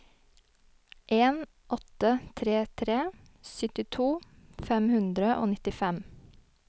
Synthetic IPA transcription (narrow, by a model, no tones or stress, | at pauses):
ʔeːn | ʔɔt̪ət̪ʰɾeːt̪ʰɾeː | sʏt̪ɪt̪ʰuːfɛmhʉnd̪ɾəʔo̰ːnɪt̪ɪfɛm